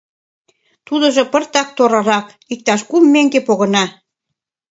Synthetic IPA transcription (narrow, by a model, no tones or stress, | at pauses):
t̪ud̪ɤ̆ʒɤ̆pə̆rt̪ɑk̚t̪oɾɤ̆ɾɑk | ik̚t̪ɑʃkumːeŋɡepoɣɤ̆nɑ